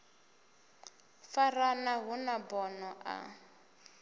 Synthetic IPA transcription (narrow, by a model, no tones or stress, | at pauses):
faranaɦunabɔnɔʔa̰